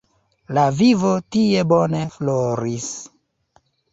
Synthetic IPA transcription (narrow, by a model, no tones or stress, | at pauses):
lavivo̞tie̞bone̞floɾis